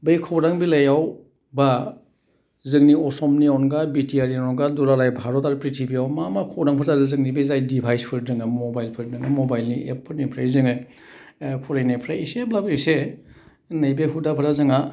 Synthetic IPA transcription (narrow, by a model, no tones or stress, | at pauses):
bɯjkʰɔwɾaŋbilajaw | ba | zɯŋniɔsɔmniawnɡabitʰiaɾiɔnɡaduɾalajbʱaɾɔtaɾpɾitʰibiawmamakʰɔwɾaŋpʰɯɾtazɯzɯŋnibizajdibʰʱajspʰɯɾdɯŋɯmɔbajlpʰɯɾdɯŋɯmɔbajlniʔepʰːɯɾnipʰɾajzɯŋɯ | pʰɔɾejnapʰɾajiseblabɯise | nejbeɦudapʰɯɾazɯŋa